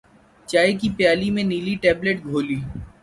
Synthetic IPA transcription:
t͡ʃaːekipjaːlimẽniːliʈɛːbleʈɡʱoːliː

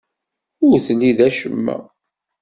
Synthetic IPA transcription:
ʊɾθliðæʃəmːæ̰

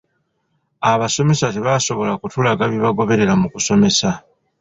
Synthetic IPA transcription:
aβaso̞me̞sateβaso̞βo̞lakutulaɡaβiβaɡo̞βe̞ɾe̞ɾamukuso̞me̞sa

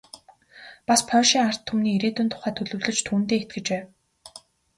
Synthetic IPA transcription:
paspʰœːʃiːŋar̥t̪ʰːumniːɾeːt̪ɵ̆nt̪ʰʊ̥χæːt̪ʰɵɮɵ̆wɮɵ̆t͡ɕt̪ʰuːnt̪eːet̪̚ɡɘ̆t͡ɕpæː

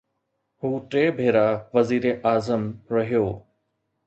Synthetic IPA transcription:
ɦuːʈɾeːbʱeːɾaʋɐziːɾeʔaːzəmɾɐɦijoː

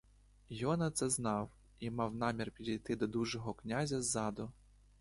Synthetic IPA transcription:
jɔnɐt̪sɛznɑw | imɑwnɑmʲirpʲid̪ʲijt̪ɪd̪ɔd̪uʒɔɦɔknʲazʲɐzːɑd̪ʊ

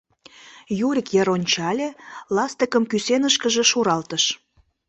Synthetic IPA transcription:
juɾʲikjeɾonʲt͡ɕɑlʲelɑst̪əkəmkysenəʃkəʒĕʃuɾɑlt̪əʃ

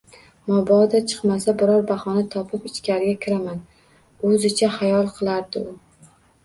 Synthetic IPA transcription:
mɒbɒd̪at͡ʃʰɨ̥qmasabɪɾɒɾbaχɒnat̪ʰɒpʰɪpɪt͡ʃkʲʰaɾɪɡʲakʲʰɪɾaman | ɵzɪt͡ʃʰahajɒlˠqʰɨlˠaɾd̪ɪʊ

